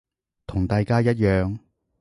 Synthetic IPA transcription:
t̪ʰʊ˨˩ŋt̪aː˨˧jkaː˥jɐ˥t̚jœː˨˧ŋ

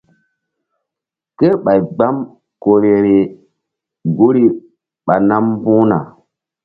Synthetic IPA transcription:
ke˦ɾɓa˨jɡ͡ba˦m | ko˨ɾe˨ɾe˨ | ɡu˦ɾi˦ | ɓa˨na˦m˦bũ˦na̰˨

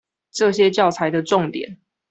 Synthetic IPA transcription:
ʈ͡ʂɤ˥˨ɕjɛ˦t͡ɕjɑ˥˩ʊt͡sʰa˨˦ɪd̪ə˨ʈ͡ʂɔ˥˨ŋt̪jɛ̰˨˩˦n

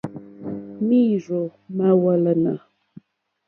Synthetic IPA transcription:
mi˦˨ʐo˨ma˦wa˨la˨na˨

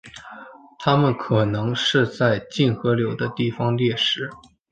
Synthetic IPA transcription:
t̪ʰa˥mə˨nkʰɤ˨˩nɤ˧˥ŋʂɻ̩˥˧t͡sa˥˧ɪt͡ɕi˥˩nxɤ˧˥ljo˧˥ʊd̪ə˧t̪i˥˩fɑ˥ŋljɛ˥˩ʂɻ̩˧˥

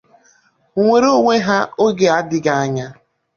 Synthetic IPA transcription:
ŋʷe˨ɾo˦ŋʷe˦ɦa˦o˦ɡe˨a˦dɪ˦ɡa˨a˦ɲa˦

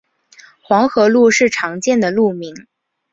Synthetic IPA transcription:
xwɑ˧˥ŋxɤ˧˥lu˥˧ʂɻ̩˥˩ʈ͡ʂʰɑ˧˥ŋt͡ɕjɛ˥˩nd̪ə˩lu˥˩mi˧˥ŋ

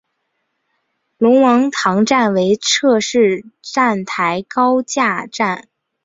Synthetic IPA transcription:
lʊ˧˥ŋwɑ˧˥ŋt̪ʰɑ˧˥ŋʈ͡ʂa˥˩nwe˧˥ɪʈ͡ʂʰɤ˥˧ʂɻ̩˥˧ʈ͡ʂa˥˩nt̪ʰa˧˥ɪkɑ˥ʊt͡ɕja˥˧ʈ͡ʂa˥˩n

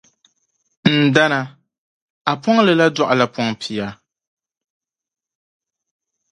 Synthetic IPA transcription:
n̩˨da˦na˨ | a˨pɔ˦ŋ˦lɨ˨la˦dɔ˦ʔa˨la˨pɔ˦ŋpʰi˨a˦

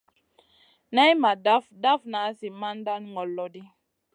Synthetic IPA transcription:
nɛ˦i˦ma˨da˦fda˦fna˨˦si˨ma˦n˦da˦nŋɡɔ˨lːɔ˨di˦

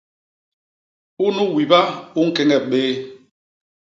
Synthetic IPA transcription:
u˦nu˦wi˨ba˦u˦ŋ̩˦kɛ˦ŋɛ˦˨ɓeː˦

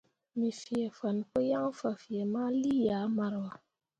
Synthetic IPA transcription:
mi˨fi˨ɛ˨fa˨n˨ko˦ja˦ŋ˦fa˨fi˨ɛ˨ma˦li˦jaː˨˦ma˨ɾwa˨

